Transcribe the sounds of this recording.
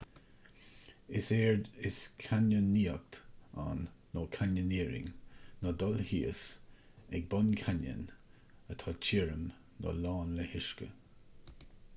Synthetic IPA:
ɪseːɹd̪ɪskʰanənːiːək̚t̪a̰nː | oːkʰanəniːɾɪ̰ŋnɔd̪ɔlhiːəs | ɛɡ̚bɔnkʰanə̰n | ət̪ʰɑːt͡ʃʰiːɹəm | dɔ̰lɑːnləhɪʃkə̰

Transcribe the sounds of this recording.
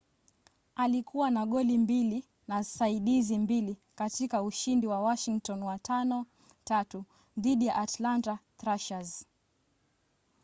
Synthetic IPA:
alikʰuwanaɠɔlimbili | nasaiɗizimbilikatikauʃindiwawaʃiŋk̚tɔnwatʰanɔ | tatu | ðiɗijaʔatlantatɾaʃaz

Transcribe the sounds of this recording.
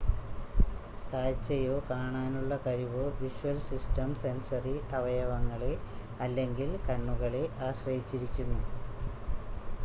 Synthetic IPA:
kaːɻt͡ɕːɐjo̞ːkaːɳaːnuɭːɐkɐɻiʋoːʋiʂuʋɐlsistɐmsensɐriʔɐʋɐjɐʋɐŋːɐɭe | ɐlːeŋɡilkɐɳːuɣɐɭe̞ʔaːɕrɐjit͡ɕːiɾikʲːunːu

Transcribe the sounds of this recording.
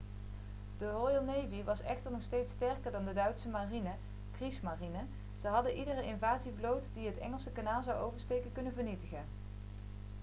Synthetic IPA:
d̥ərojɑlˠnejviʋɑsɛxtəɹnɔχstejtstɛɹkəɹdɑndədœɥtsəmarinə | krismarinə | z̥əɦɑdəʔidərəʔɪnvaːziblowtdiɦətɛ̰ŋəlˠsəkanaːlˠzɑwowvəɹstejkəkɵnəvəɹnitəɣən

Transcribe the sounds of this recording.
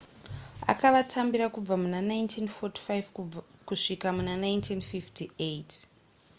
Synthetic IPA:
a̰kaʋatʰambiɾakub͡vamunanajntʰinfoti̥fajv | kuʂikamunanajntʰinfiftʰiʔet

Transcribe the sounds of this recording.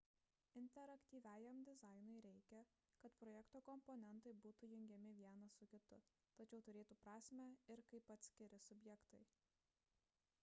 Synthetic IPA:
ɪnʲt̪ʲɛɾɐkʲt̪ʲiːʋʲæːjɛmd̪ʲɪzɑɪnʊɪɾʲɛɪkʲɛ | kɐt̪pɾɔːjɛkt̪oːkɔmpɔnʲɛnˑt̪ɐɪbuːt̪uːjʊŋʲɡʲɛmʲɪʋʲiɛnɐsʊkʲɪt̪ʊ | t̪ɐt͡ʃʲɛʊt̪ʊɾʲeːt̪uːpɾɑːsʲmʲæɪɾkɐɪpɐt̪ʲsʲkʲɪɾʲɪsʊbʲjɛkt̪ɐɪ

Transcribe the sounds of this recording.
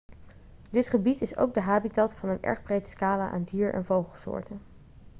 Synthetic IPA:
dɪtχəbitɪso̰wk̚dəɦaːbitɑtfɑnənɛ̰ɹχbrejtə̥skaːlaʔa̰ːndiːɹɛ̰nvowχəlˠsʊ̰ːɹtən

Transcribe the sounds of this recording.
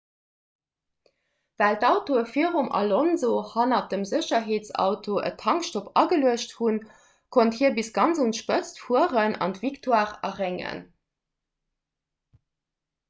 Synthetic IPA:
væːltɑʊtoəfiʁumɑ̰lonzohɑnɑd̥əmzəɕɐɦeːtt͡sɑ̰ʊtʰoʔə̰tʰɑŋkʃtopɑɡəluəɕthun | kʰonthiːɐbisɡɑnt͡sunʃpət͡stfuəʁənʔɑ̰ntv̥iktʰwaːʁɐʁeŋə̰n

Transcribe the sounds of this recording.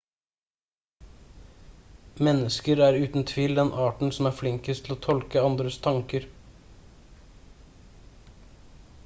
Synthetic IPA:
mɛnəskəɾæːɾʉːt̪n̩t̪ʰʋiːld̪ɛnʔɑːʈɳ̩sɔmæːɾflɪŋkəst̪ʰɪl̩oːt̪ʰɔlkəɑnd̪ɾəst̪ʰɑŋkəɾ

